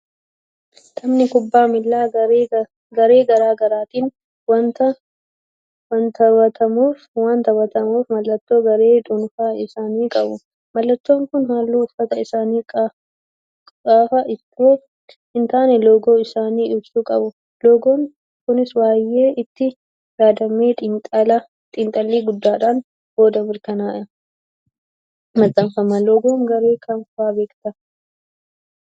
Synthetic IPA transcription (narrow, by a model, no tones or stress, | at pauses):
t̪ʰɐmnɪkʊbːaːmɪlːaː | ɡɐɾe̞ːɡɐɾaːɡɐɾaːt̪iːn | wɐnt̪ɐ | wɐnt̪ɐwɐt̪ʰɐmuːfwant̪ɐwɐt̪ɐmuːfmɐlːɐt̪ːo̞ːɡɐɾe̞ːᶑ̪ʼʊnfaːɪsaːniːkʼɐbʊ | mɐlːɐt̪ːoːŋkʊnhaːlːuːʊfːɐt̪ɐɪsaːniːkʼ | kʼaːfɐʔɪt̪ːoː | ɪnt̪aːnɛloːɡo̞ːɪsaːniːʊbsuːkʼɐbʊ | loːɡoːŋ | kʊnɪswaːjːeːʔɪt̪ːɪ | jaːd̪ɐmeːt̪ːʼɐlɐ | t̪ʼɪnt̪ʼɐlːiːɡʊd̪ːaːᶑaːn | b̥o̞ːd̪ɐbɪɾkɐnaːʔɪɾɐ | mɐd̪ɐmfɐmɐloːɡoːŋɡɐɾe̞ːkʰɐnfʊaːbe̞ːkt̪ɐ